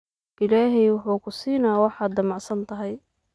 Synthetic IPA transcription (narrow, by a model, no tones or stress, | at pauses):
ʔɪlaːɦɛjwʊħuːkʰʊsiːnaːwɑħɑːd̪ːɐmɑʕsɐnt̪ʰɐɦɛj